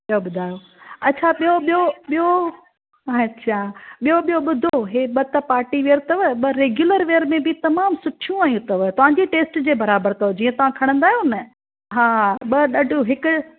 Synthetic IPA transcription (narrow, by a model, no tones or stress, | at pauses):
ɓijoɓʊd̪ʱaːjo | ɐːt͡ɕʰaɓijoɓijoɓijo | ɐtːt͡ɕʰaɓijoɓijoɓʊd̪ʱoɦeɓɐt̪ɐpaːɾʈiʋeːəɾt̪ɐʋəɓɐɾeːɡjʊləɾʋeːɾmẽbɪt̪ɐmaːmsʊʈʰijũaːjũt̪ɐʋt̪ɐʋ̤ãːɲd͡ʑiʈeːsʈd͡ʑeːbɐɾaːbəɾt̪oʋd͡ʑiːɐ̃t̪ɐʋ̤ãkʰɐɽ̃ə̃nd̪aːɦijõnɐ | ɦaːɓɐɗɐɖʱuɦɪkʊ